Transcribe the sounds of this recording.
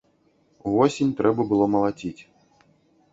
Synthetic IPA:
uvɔsʲenʲt̪ɾɛbɐbɨlˠɔmɐlˠad͡zʲit͡sʲ

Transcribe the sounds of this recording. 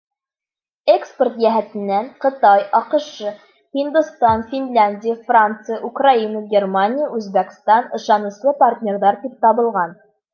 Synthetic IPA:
ekspʲert̪jæɦæt̪ɘ̆nːæɴqɤ̆t̪ɑjɑqɤ̆ʃɤ | hind̪ust̪ɑnfʲinlʲænʲdʲɪjəfrant̪sɨjəʔukrainəɡʲermanʲijəʉzbækst̪ɑnɤ̆ʃɑnɤ̆slˠɤpɐrt̪ʲnʲe̞rðɑɾt̪ip̚t̪ɑβɤ̆lˠʁɑn

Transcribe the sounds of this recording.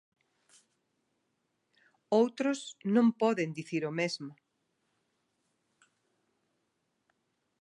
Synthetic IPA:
owt̪ɾʊsnõmpɔðend̪iθiɾomezmʊ

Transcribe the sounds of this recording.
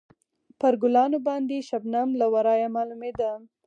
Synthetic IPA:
pəɾɡʊlɑnobɑnd̪eʃabnamlawaɾɑjamɑlumed̪a

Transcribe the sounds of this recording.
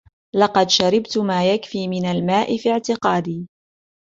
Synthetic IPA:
lɑqɑd̪ʃaɾɪbt̪maːjakfiːmɪnalmaːʔɪfiʕt̪ɪqɑːd̪iː

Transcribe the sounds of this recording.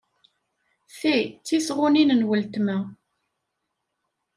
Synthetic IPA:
θit͡sːisʁʊninənwəlt̪mæ

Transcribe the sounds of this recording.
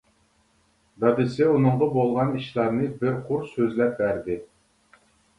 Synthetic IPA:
d̪ɑd̪ɪsɪunɨɴʁɑbolˠʁɑniʃlˠɑɾnɨbɪɾqʰʊɾsøzlɛp̚bæɾd̪ɪ

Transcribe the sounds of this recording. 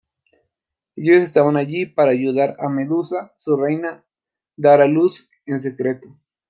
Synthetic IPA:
eʎoses̬t̪aβanaʎipaɾaːʝuðaɾame̞ðusasurejna | d̪aɾalus | ens̬e̞kɾe̞t̪o

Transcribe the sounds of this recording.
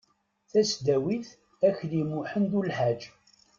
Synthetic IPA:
θæsd̪æwiθ | æçlimuħənd̪ulħad͡ʒ

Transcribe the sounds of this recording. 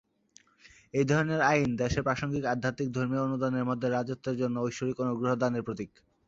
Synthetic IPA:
ejd̪ʱɔɾoneɾaind̪ɛʃeɾpɾaʃoŋɡikad̪ʱːat̪ik̚d̪ʱoɾmionud̪aneɾmod̪ʱːeɾad͡ʑot̪ːeɾd͡ʑonːoojʃoɾikonoɡɾoɦod̪aneɾpɾot̪ik

